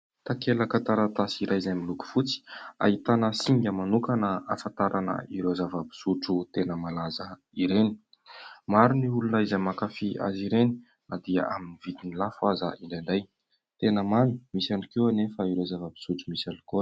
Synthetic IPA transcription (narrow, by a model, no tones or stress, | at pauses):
t̪akeləkat̪aɾat̪asiɾajzamiluku̥fut͡si̥a̰it̪anəsiŋɡəmanukanəafant̪aɾʔanə̰iɾozavəbi̥suʈ͡ʂut̪enəmalazə | iɾeni̥ | maɾuniulunəizajmakafia̰ziɾeni̥ | nad̪iə̰ʔaminivit̪inilafuazə̰ʔiɳɖ͡ʐaɳɖ͡ʐaj | t̪enəmani̥misanikewanefaiɾezavəbi̥suʈ͡ʂumisani̥ko